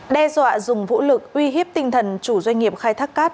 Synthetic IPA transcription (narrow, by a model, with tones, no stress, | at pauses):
ɗɛ˧zwa̰ː˧˨zʊ˨˩ŋ͡mvṵ˧˥lɨ˨˩k̚ʔwi˧ɦi˦˥əp̚t̪ï˧ŋt̪ʰə˨˩nt͡ɕu˧˩zwa˧ŋ̟ŋi˨˩əp̚xaː˧jt̪ʰaː˦˥kːaː˦˥t̚